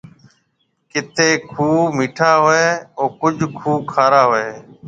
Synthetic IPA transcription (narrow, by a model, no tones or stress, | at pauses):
kɪt̪ʰeːkʰuːmiːʈʰaːɦoːeːoːkʊd͡ʒʱkʰuːkʰaːɾaːɦoːeː